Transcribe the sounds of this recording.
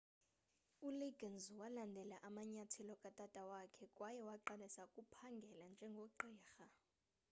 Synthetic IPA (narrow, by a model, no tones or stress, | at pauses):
uliɡʱanzwalandʱɛlaʔamaɲatʰɛlɔkʼatʼatʼawakʰɛkʼwajɛwaǃanɛsakʼupʰaŋɡʱɛland͡ʒʱɛŋɡʱoǃɛːxa